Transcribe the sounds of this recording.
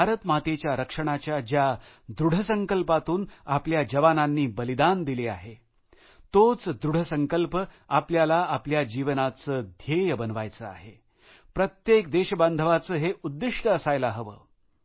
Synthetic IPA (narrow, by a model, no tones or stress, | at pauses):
bʱaɾət̪mat̪et͡ɕjaɾəkʂəɽ̃at͡ɕjad͡ʑja | d̪ɾuɽ̤ʱəsəŋkəlpat̪uːnapljad͡ʑəʋananːiːbəlid̪and̪ilea̰ɦe | t̪ot͡sd̪ɾuɽ̤əsəŋkəlpə | apljalaapljad͡ʑiʋənat͡səːd̪ʱjejəbənʋajt͡səa̰ɦe | pɾət̪jekd̪eɕəband̪ʱəʋat͡səːɦeʔud̪ːiʂʈəəsajlaɦəʋə̰ː